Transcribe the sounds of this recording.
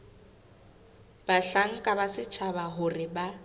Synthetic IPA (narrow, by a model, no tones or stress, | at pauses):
b̥aɬaŋ̩kʼabasɪt͡ʃʰabaɦʊrɪba